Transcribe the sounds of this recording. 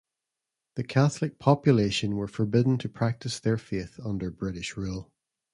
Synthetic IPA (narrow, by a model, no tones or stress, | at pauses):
ðəkʰaθlˠɪk̚pʰɔpjəlˠeʃə̃nwə˞fə˞bɪdⁿn̩tʰəpʰɹ̥ak̚tɪsðə˞feθʌ̃ndə˞bɹɪʔɪʃɹʉlˠ